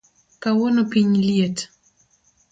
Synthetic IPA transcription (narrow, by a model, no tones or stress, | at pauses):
kawɔnopiɲljet